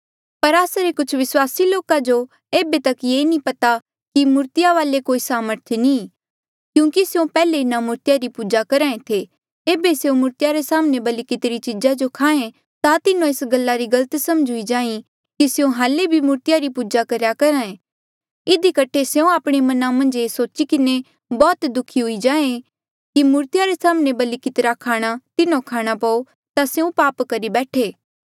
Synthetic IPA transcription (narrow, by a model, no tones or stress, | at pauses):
pɐɾaːsaɾekʊt͡ʃʰʋɪswaːsiloːkad͡ʒo | eːbet̪ɐkjeːnĩpɐt̪a | kimʊɾt̪ɪjaʋaːlekoːisaːməɾt̪ʰnĩː | kjũːkisjõpɛːleɪnamʊɾt̪ɪjaɾipuːd͡ʒakɐɾãːẽt̪ʰe | eːbeseũmʊɾt̪ɪjaɾesaːmnebɐlikɪt̪ɾit͡ʃɪd͡ʒad͡ʒokʰaːẽ | t̪at̪ɪnõesɡɐlːaɾiɡɐlət̪sɐmd͡ʒʱʊid͡ʒãːĩ | kiseũɦaːlebʱimuːɾt̪ɪjaɾipuːd͡ʒakɐɾjakɐɾaːẽ | ɪd̪ikɐʈʰeseũaːpɽ̃emɐnamɐ̃nd͡ʒeːsoːt͡ʃikɪne | bɔːt̪d̪ʊkʰiɦʊid͡ʒãːẽ | kimʊːɾt̪ɪjaɾesaːmnebɐlikɪt̪ɾakʰaːɽ̃at̪ɪnõkʰaːɽ̃apɐo | t̪aseːũpaːpkɐɾibɛːʈʰeː